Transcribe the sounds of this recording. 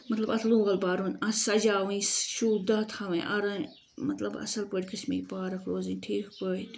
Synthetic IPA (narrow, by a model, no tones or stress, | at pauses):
mɐt̪lɐbɐt̪ʰlũːɣɐlbaːɾonɐsɐd͡ʒaːʋĩsʃuːd̪ɐt̪ʰɐʋɐ̃ʔɐɾɐ̃ | mɐt̪lɐbɐ̰sɐlpoʈʲkɐsmḭːpaːɾɐkʰɾoːzinʲʈʰiːkkot̪